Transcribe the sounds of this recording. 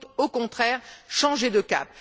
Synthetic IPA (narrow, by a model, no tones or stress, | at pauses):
t̪okɔ̃t̪χɛːʁʃɑ̃ʒed̪əka̰p̚